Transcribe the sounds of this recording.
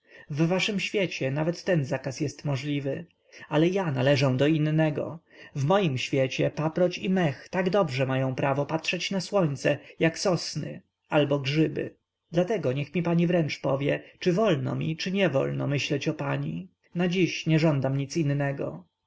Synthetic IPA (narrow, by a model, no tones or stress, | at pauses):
vːaʂɘmɕfʲjɛt͡ɕɛnavɛt̪ːɛnzakasjɛst̪mɔʐlʲivɘ | alɛjanalɛʐɔ̃w̃d̪ɔinːɛɡɔ̰ | vmɔjimɕfʲjɛt͡ɕɛpapɾɔt͡ɕimɛxt̪aɡd̪ɔbʐɛmajɔ̃w̃pɾavɔpatʂɛt͡ɕnaswɔɲt̪sɛjaksɔsnɪ̰ | albɔɡʐɘbɘ̰ | d̪lat̪ɛɡɔɲɛxmʲipaɲivɾɛnt͡ʂpɔvʲjɛt͡ʂɘvɔlnɔ̰mʲḭt͡ʂɘɲɛvɔ̰lnɔ̰mɘɕlɛt͡ɕɔpaɲḭ | nad͡ʑiɕɲɛʐɔnd̪amɲit̪sinːɛɡɔ̰